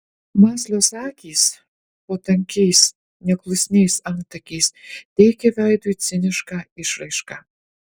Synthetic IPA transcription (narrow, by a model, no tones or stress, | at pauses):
mɑsʲlʲosɑkʲiːs | pot̪ɐŋʲkʲejs | nʲɛklˠusʲnʲejsɑnt̪ɐkʲist̪ʲejkʲɛvʲæjd̪ujt͡sʲɪnʲɪʃkɑiʃɾejʃkɑ